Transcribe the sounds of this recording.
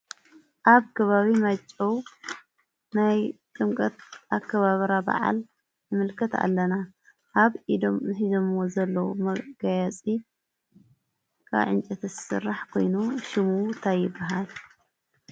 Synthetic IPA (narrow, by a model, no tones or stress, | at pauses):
ʔaβkʰɐβaβimɐt͡ʃʼːɐw | najt̪ʼɨmkʼɐt̪ʔakʰːɐβaβɾaba̰ʕa̰l | jɨmɨlkʰɐt̪a̰lːɐna | ʔaβid̪omzɨħizomwozɐlːɐwmɐɡajat͡sʼi | kʰa̰βʕɨ̰nt͡ʃʼɐt̪ʰɨsɨ̰rːaħkʰo̞̰jnuʃɪmut̪ʰajːɪbːaɦal